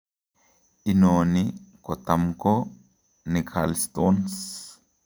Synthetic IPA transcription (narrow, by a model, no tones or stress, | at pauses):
ʔɪnoːnɪkɔt̪ɐmkɔ | nɪkʰa̰lst̪ʼoːns